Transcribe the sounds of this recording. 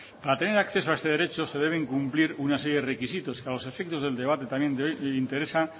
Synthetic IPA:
paɾat̪e̞ne̞ɾakθe̞soaest̪e̞ð̞e̞ɾe̞t͡ʃo̞se̞ðe̞β̞e̞ŋkumpliɾunase̞ɾjeðerekisit̪o̞skealo̞se̞fek̚t̪o̞zðe̞ld̪e̞β̞at̪e̞t̪amjent̪jint̪eɾesa

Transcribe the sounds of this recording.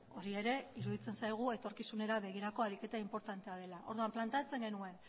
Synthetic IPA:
o̞ɾie̞ɾe̞iɾuðit͡se̞nsajɣ̞ue̞t̪o̞ɾkisune̞ɾaβe̞ɣ̞iɾako̞aɾike̞t̪aimpo̞ɾt̪ant̪e̞að̞e̞laʔo̞̰ɾðuamplant̪eat͡se̞ŋɡe̞nue̞n

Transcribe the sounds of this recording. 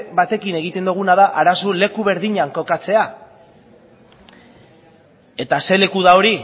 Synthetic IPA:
βat̪e̞kine̞ɣ̞it̪e̞nd̪uɣ̞unaðaʔaɾasole̞kuβ̞e̞ɾðiɲaŋko̞kat͡se̞a | e̞t̪ase̞le̞kuðao̞ɾi

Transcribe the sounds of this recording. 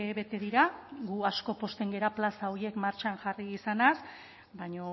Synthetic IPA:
eβe̞t̪e̞ðiɾaɡuasko̞po̞st̪e̞ŋɡe̞ɾaplasaoje̞kmaɾt͡ʃaŋʝariːsanas | baɲo̞

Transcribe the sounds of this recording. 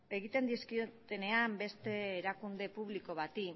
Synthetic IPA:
e̞ɣit̪e̞nd̪iskiot̪e̞ne̞ambe̞st̪e̞ːɾakund̪e̞puβliko̞β̞at̪i

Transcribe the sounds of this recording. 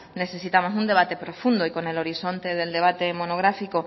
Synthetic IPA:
ne̞θe̞sit̪amo̞s̬und̪e̞β̞at̪e̞pɾofund̪oiko̞ne̞lo̞ɾiθo̞nt̪e̞ðe̞ld̪e̞βat̪e̞mo̞noɣ̞ɾafiko

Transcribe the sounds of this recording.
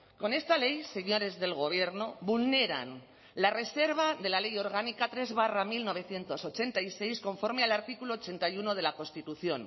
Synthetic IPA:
ko̞ne̞st̪ale̞jse̞ɲo̞ɾe̞zðe̞lɣ̞o̞β̞je̞ɾno̞βulne̞ɾa̰n | lare̞se̞ɾβ̞aðe̞lale̞jo̞ɾɣ̞anikat̪ɾe̞zβ̞aramilno̞β̞e̞θje̞nt̪o̞so̞t͡ʃe̞nt̪aijse̞jsko̞ɱfo̞ɾmealaɾt̪ikuloːt͡ʃe̞nt̪ajuno̞ð̞e̞lako̞nst̪it̪uθjo̞n

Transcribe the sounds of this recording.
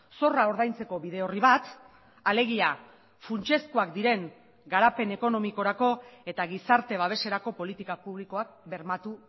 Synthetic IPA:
so̞rao̞ɾð̞ajnt͡se̞ko̞βiðe̞o̞riβat̪ | ale̞ɣ̞ia | funt͡ʃe̞skuak̚d̪iɾe̞ŋ | ɡaɾape̞ne̞ko̞no̞miko̞ɾako̞e̞t̪aɣ̞isaɾt̪e̞β̞aβ̞e̞se̞ɾako̞po̞lit̪ikapuβliko̞ak̚be̞ɾmat̪u

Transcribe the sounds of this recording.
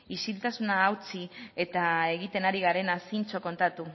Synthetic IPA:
isilt̪asunaːwt͡sie̞t̪ae̞ɣ̞it̪e̞naɾiɣaɾe̞nasint͡so̞ko̞nt̪at̪u

